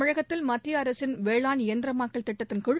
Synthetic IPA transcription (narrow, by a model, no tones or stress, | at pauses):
ɐɻɐɣɐt̪ːɪlmɐt̪ːiɐɾɐsɪnʋeːɭaːnɪjɐnd̪ɪɾɐmaːkːɐɭt̪ɪʈːɐt̪ːɪnkʊɻ